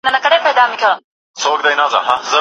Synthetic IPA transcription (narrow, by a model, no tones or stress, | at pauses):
nɐnɐkɐɽepɐjd̪aːmikʰɐ | sʰoːk̚d̪ɐjnaza̰ɦãzɐ